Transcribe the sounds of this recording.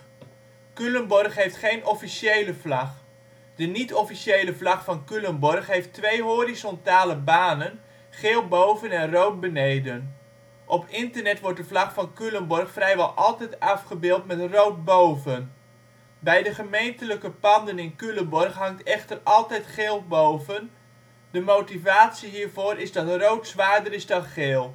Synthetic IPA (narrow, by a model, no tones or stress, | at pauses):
kylənbɔrχɦejftχejnɔfisejləvlɑχ | d̥ənitɔfisejləvlɑχfɑnkylənbɔrχɦejftʋejɦoɾizɔntaːləbaːnən | χeːlˠbowvənɛnrowt̚bənejdən | ʔɔpʰɪntərnɛtʋɔrt̚dəvlɑχfɑnkylənbɔrχfrɛjʋɛlˠʔɑlˠtɛjtɑfχəbɪːlˠtmɛtrowt̚bowvən | bɛjdəχəmejntələkəpɑndənɪnkylənbɔrχɦɑŋtʰɛχtərɑlˠtɛjtχeːlˠbowvən | dəmowtivaːtsiɦiːrvoːrʔɪzdɑtrowtsʋaːdəɾɪzdɑnχeːlˠ